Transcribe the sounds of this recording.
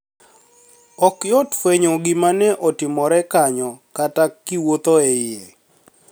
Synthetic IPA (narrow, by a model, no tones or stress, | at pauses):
ɔkjɔtfweɲoɡɪmanɛʔɔtɪmɔɾɛkaɲɔkatakːiwot̪oɛje